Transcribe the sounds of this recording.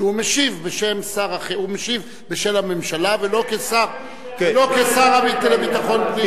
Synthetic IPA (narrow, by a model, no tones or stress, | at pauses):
umeʃivbeʃe̞msaʁaχeumeʃiv | beʃelamemʃalavelo̞kesaʁ | elokesaʁabit̪elevit̪aχo̞nvi